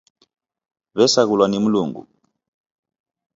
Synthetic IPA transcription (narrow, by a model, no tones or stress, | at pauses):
βɛsak̬ulwanem̩luːŋɡṵ